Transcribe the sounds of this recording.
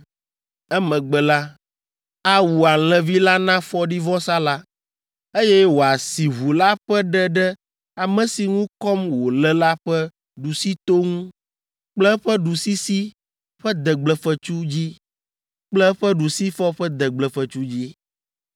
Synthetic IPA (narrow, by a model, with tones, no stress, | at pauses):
ɛ˦mɛ̃˨ɡ͡bɛ˨la˦ | a˦wu˨a˨l̃ɛ̃˨vi˦la˦nã˦fɔ˦ɖi˦vɔ˦sa˦la˦ | e˦jɛ˦wo˨a˨si˨ɦu˨la˦ɸɛ˦ɖɛ˦ɖɛ˦ | a˨mɛ̃˨si˨ŋũ˦kɔ˦mwo˨lɛ˦la˦ɸɛ˦ | ɖu˨si˦t̪o˦ŋũ˦ | k͡plɛ˦ɸɛ˦ɖu˨si˦si˦ | ɸɛ˦d̪ɛ˨ɡ͡blɛ˨fə˨t͡ʃu˦d͡ʑi˦ | k͡plɛ˦ɸɛ˦ɖu˨si˦fɔ˦ɸɛ˦d̪ɛ˨ɡ͡blɛ˨fə˨t͡ʃu˦d͡ʑi˦